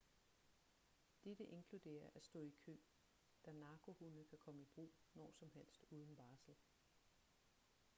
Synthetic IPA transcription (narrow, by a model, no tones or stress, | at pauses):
d̥ed̥əʔe̝ŋkʰlud̥e̝̰ːɐʔæsd̥ɔ̰ːikʰø̰ː | d̥ænɑ̈ːkʰo̝hunəkʰækʰɒ̽məib̥ʁṵːnɒ̰ːsɒ̽mɦel̰sd̥uːð̞ˠn̩b̥ɑ̈ːsl̩